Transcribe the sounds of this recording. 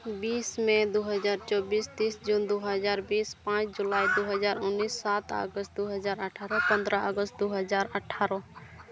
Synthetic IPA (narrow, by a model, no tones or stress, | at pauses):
bismẽd̪uɦəd͡ʒaɾt͡ʃɔbist̪isd͡ʒund̪uɦəd͡ʒaɾbispãt͡ʃʰd͡ʒulaid̪uɦəd͡ʒaɾʊnːisːat̪ə̰ɡəst̪̚d̪uɦəd͡ʒaɾəʈʰaɾɔ̃pə̃nd̪ɾəɔɡəst̪̚d̪uɦəd͡ʒaɾəʈʰːaɾɔ̃